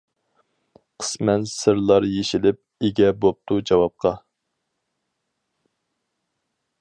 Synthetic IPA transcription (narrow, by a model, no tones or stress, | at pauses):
qʰə̥smɛnsɨɾlˠɑɾjeʃilɪp̚eɡʲɛbop̚t̪ud͡ʒɑwɑp̚qʰɑ